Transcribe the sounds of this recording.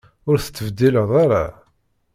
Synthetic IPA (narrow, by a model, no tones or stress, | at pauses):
ʊɾθə̥t͡sːəvd̪iləðˤaɾa̰